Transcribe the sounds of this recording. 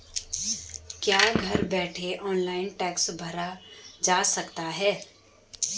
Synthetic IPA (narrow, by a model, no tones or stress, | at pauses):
kjaːɡʱɐɾbɛːʈʰeʔɔːnlaːɪnʈɛːksbʱɐɾad͡ʒaːsɐkt̪aɦɛː